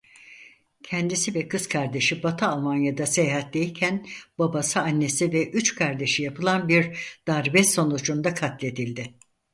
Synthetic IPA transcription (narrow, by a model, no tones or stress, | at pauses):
cʰɛnd̪isivɛkʰɯzkʰaɾd̪e̞ʃibat̪ʰɯalˠmanjad̪asejɦat̪̚d̪ejcʰænb̥abasɯanːe̞sivɛʔyt͡ʃkʰaɾd̪e̞ʃijapʰɯlˠanbiɾd̪̥aɾbɛsːo̞nud͡ʒund̪akʰat̪lʲe̞d̪ilʲd̪ɪ